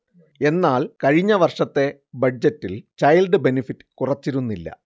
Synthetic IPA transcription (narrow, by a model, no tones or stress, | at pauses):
e̞nːaːlkɐɻiɲːɐʋɐrʂɐt̪ːe̞ | bɐd͡ʑɐtːilt͡ɕɐjlɖɨbenifitːɨ̥kurɐt͡ɕːiɾunːilːɐ̰